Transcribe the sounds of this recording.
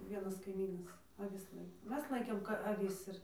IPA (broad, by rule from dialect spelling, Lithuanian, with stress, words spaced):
ˈʋʲiɛnɐs kɐɪˈmʲiːnɐs ɐˈʋʲɪs ˈlˠɐɪkoː ˈmʲɛs ˈlˠɐɪkʲeːm ɐˈʋʲɪs ɪr